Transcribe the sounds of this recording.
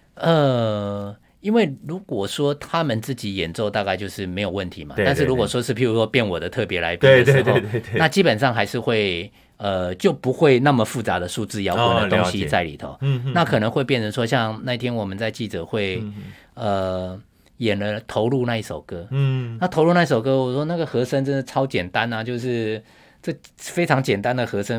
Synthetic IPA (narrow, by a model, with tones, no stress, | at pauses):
ə˨ | i˥nwe˥˩ɪɻu˧˥kwɔ˨˩ʂwɔ˥t̪ʰa˥mə˨nt͡sɹ̩˥˩t͡ɕi˨˥jɛ˨˩nt͡so˥˧ʊt̪a˥˧ka˥˧ɪt͡ɕjo˥˧ʊʂɻ̩˥˩me˧˥ɪjo˨˩wə˥˩nt̪ʰḭ˧˥ma̰˨t̪a˥˧n̬̩˥˩ɻu˦˥kwɔ˨˩ʂwɔ˥ʂɻ̩˥˩pʰi˧˥˩ɻu˧˥ʂwɔ˥pjɛ˥˩nwɔ˨˩d̪ə˦t̪ʰɤ˥˩pjɛ˧˥la̰˧ɪpə˧˥xo˥˧na˥˩t͡ɕi˦˥pə˨˩nʂɑ˥˩ŋxa˧˥ɪʂɻ̩˥˧xwe˥˩ɪ | ə˧t͡ɕjo˥˩ʊpu˧˥xwe˥˧ɪna˥˩mə˩fu˥˩t͡sa˧˥d̪ə˨ʂu˥˧t͡sɹ̩˥˧ja˥ʊə˨˩ndə˧t̪ʊ˧˥ŋ˥ɕi˧˦t͡sa˥˩ɪlḭ˨˩t̪ʰo̰˨˦ʊna˥˩kʰɤ˨˩nə˧˥ŋxwe˥˧p̬jɛ˥˩nʰə˧˥nʂwɔ˥ɕjɑ˥˧ŋna˥˧i˥˩t̪ʰjɛ˥nwɔ˨˩mə˨˦nt͡sa˥˧ɪt͡ɕi˥˩ʈ͡ʂɤ˨˩xwe˥˩ɪ | ə˩ | jɛ˨˩nlə˦t̪ʰo˧˥ʊlu˥˧na˥˧i˥˩ʂo˨˩ʊkɤ˧˥na˥˩t̪ʰo˧˥lu˥˧na˥˧i˥˩ʂo˨˩ʊkɤ˥wɔ˨˩ʂwɔ˥na˥˩ɡə˩xɤ˧˥ʂə˥ŋʈ͡ʂə˥nd̪ə˨ʈ͡ʂʰɑ˥ʊt͡ɕjɛ˨˩nt̪a˦nɐ˨t͡ɕjo˥˧ʊʂ̬ɻ̩˥˩ | ʈ͡ʂɤ˥˩fe˥ɪʈ͡ʂʰɑ˧˥ŋt͡ɕjɛ˨˩nt̪a˦nd̪ə˨xɤ˧˥ʂə˥